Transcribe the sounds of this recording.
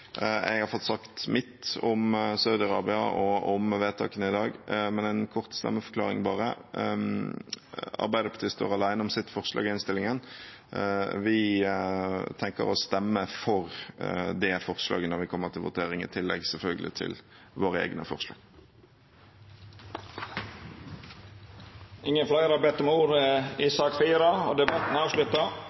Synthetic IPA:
ɛ̰ɡhɑɾfɔt̪ːsɑkt̪mɪt̪ːɔmsɑʉd̪ɪɑʁɑ̰ːbɪɑɔʔɔmʋeːt̪ʰɑ̰ːkənəɪd̪ɑːɡmɛnænkʰɔʁt̪st̪ɛ̰mːəfɔ̥klɑːɾɪŋbɑːɾə | ɑ̰ɾbæɪd̪əpʰɑ̥t̪ʰiːst̪o̰ːɾɑlæɪnəɔmsɪt̪ːfɔʁʂlɑ̰ːɡɪɪnst̪ɪlɪŋən | ʋɪ | t̪ʰɛŋkə̰ɾɔst̪ɛmːəfɔʁd̪ɛfɔʁslɑ̰ːɡənɔʁʋɪkʰɔmːəʁt̪ʰɪlʋʊ̰t̪ʰeːɾɪŋɪ̰t̪ʰɪlːɛ̰ɡsɛlfœlɡəlɪ̰t̪ʰɪ̰l | ʋoːɾəḛːɡnəfɔ̰ʁʂlɑ̰ːɡ̥ | ɪŋːənflɑɪɾɑbɛt̪ːɔmuːɾəisɑkfiːɾɑɔd̪ɛbɑt̪n̩ɑːʋʃlʉt̪ə

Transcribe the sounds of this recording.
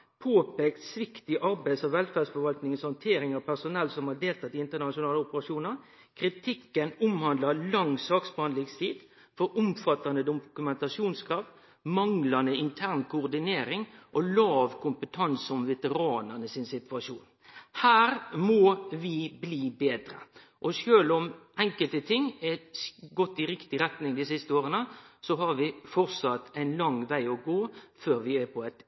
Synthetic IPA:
pʰoːpeːkt̪sʋɪkt̪ɪʔɑɾbæɪsɑʋɛlfæːdsfɔɾʋɑlt̪nɪŋənshɑnt̪ʰeːɾɪŋɑpʰæsʊnɛlːsɔmhɑɾd̪eːlt̪ɑt̪ɪɪnt̪ənɑʃʊnɑːləʊpəɾɑʂuːnəɾ | kʰɾɪt̪ʰɪkːənʊmhɑnd̪lɑlɑŋsɑːksbhɑnd̪lɪŋst̪ʰiːd̪̥ | fɔɾʊmfɑt̪ɑnd̪əd̪ʊkʉmɛnt̪ɑʂuːnskʰɾɑːʋd̪ | mɑŋlɑnəɪnt̪ʰæɾnkʰʊʊʁd̪ɪneːɾɪŋʔɔlɑːʋkʰʊmpət̪ʰɑnsɔmʋɛt̪əɾɑːnəʁnəsɪnsɪt̪ʋɑʂuːn | hæːɾmɔʋɪbliːbeːd̪ɾə̰ | ʔɔʂøːlʊmʔɛŋkəlt̪ət̪ʰɪŋːɛɡɔt̪ːɪɾɪkt̪ɪɾɛt̪nɪŋd̪ɪsɪst̪əoːɾənəsɔɦɑɾʋɪfɔʁsɑt̪ːæɪnlɑŋʋæɪɔɡoːføːɾʋɪæpʰɔɛt̪

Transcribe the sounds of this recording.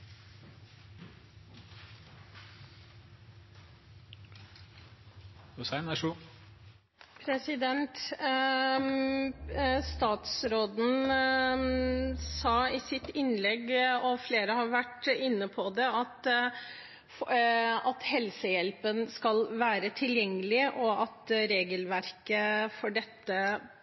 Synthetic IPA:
ʊsæɪnæʂu | pʰɾɛsɪd̪ɛnt̪ | st̪ɑːt̪sɾoːd̪n̩ | sɑːɪsɪt̪ɪnlɛɡɔfleːɾəhɑɾʋæʈːɪnːəpʰɔd̪ɛɑt̪ | fɑt̪hɛlsəjɛlpənskɑlʋæːɾət̪ʰɪljɛŋːəlɪʔɔɑt̪ɾeːɡəlʋæɾkəfɔɖɛt̪ːə

